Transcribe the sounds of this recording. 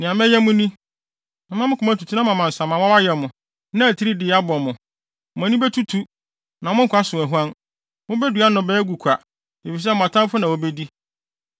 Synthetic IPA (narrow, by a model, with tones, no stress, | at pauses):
nɪ̃˨ã˨mɛ̃˦jɛ˦mʊ̃˦nĩ˦ | ã˨mã˦mɪ̃˦kʰʊ˨mã˦tʰu˨tʰu˦nã˦mã˨mã˨n̩˨sã˨mã˨mã˦a˦jɛ˨mʊ̃˨ | nã˦æ˨tʰi˦ɾi˦dɪ˨˦a˦bɔ˨mʊ̃˨ | m˨ã˨˦nĩ˦bɛ˦tʰu˦tʰu˦ | nã˨mʊ̃˦ŋ̩˦kʰʷa˦sʊ̃˨æ˨ɦu˦ã˦n | mʊ̃˦bɛ˦du˨a˦nʊ̃˨bɛ˦ɡu˨kʷʰa˨ | e˨fi˨s̬ɛ˦˨m˨a˨tʰã˦m˦fʊ˦nã˨wɔ˦be˦di˦